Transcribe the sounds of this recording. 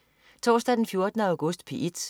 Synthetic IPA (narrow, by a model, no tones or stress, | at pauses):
t͡sʰɒ̰ːsd̥æd̥enfjo̝ɐd̥nə̈ʊɡ̥ɔ̽sd̥pʰiʔid̥